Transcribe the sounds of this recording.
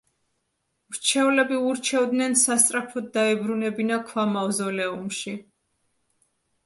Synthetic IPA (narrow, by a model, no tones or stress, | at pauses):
mɾt͡ʃʰɛulɛbiuɾt͡ʃʰɛvd̪nɛnsast̪sʼɾapʰɔd̪̚d̪aɛbɾunɛbinakʰwamavzɔlɛumʃi